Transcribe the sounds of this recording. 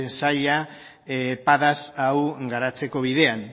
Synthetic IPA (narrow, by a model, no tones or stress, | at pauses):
nsaʎa | paðasawɡaɾat͡se̞ko̞βiðe̞an